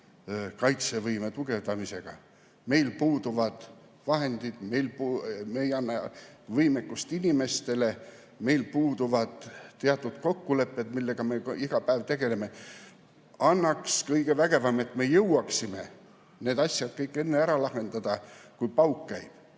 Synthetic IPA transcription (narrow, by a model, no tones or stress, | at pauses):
kɑjt̪se̞vɤjme̞t̪uɡ̥e̞vd̪̥ɑmise̞ɡ̥ɑ̰ | me̞jlpuːd̪uvɑd̪̥ | vɑɦe̞nd̪id̪̥me̞jlpumejɑnːɑvɤjmekːust̪inime̞st̪e̞le̞ | me̞jlpuːd̪̥uvɑd̪̥t̪ːeɑt̪ːˑud̪̥ko̞kːule̞pˑːe̞d̪̥milːe̞ɡ̥ɑme̞iɡ̥ɑpæevt̪e̞ɡ̥e̞le̞me̞ | ɑnːɑkskɤjɡ̥e̞væɡ̥e̞vɑme̞t̪ːˑme̞jɤwɑksime̞ | ne̞ːd̪̥ɑsjɑd̪̥kɤjkːˑe̞nːe̞æɾɑlɑhe̞nd̪̥ɑd̪̥ɑkujpɑwkːæjb̥